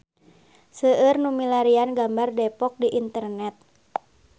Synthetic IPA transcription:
səərnumilaɾianɡambardɛpɔk̚diʔint̪ərnɛt̪̚

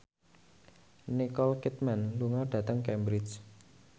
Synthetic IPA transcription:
nikɔlkit̪̚manluŋɔɖ̥ä̤t̪əŋkɛmbɾit͡ʃ

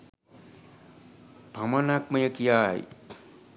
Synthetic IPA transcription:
b̥ʱamɐnak̚mɐjəkjaːj

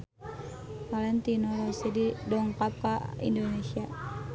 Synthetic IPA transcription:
palɛnt̪inɔɾɔsɛdidɔŋkap̚kaḭndonesia

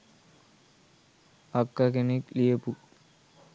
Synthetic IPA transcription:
ɐkːakeneklijɐpu

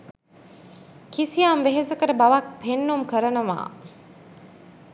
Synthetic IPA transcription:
kisijaːmʋeɦesəkəɾəbaʋak̚pʰenːumkəɾənəʋa̰ː

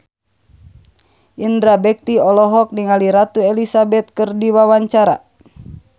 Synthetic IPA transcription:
ʔindɾabɛk̚t̪iɔlɔɦɔk̚niŋaliɾat̪uɛlisabɛt̪̚kɨrdiwawaɲt͡ʃaɾa̰

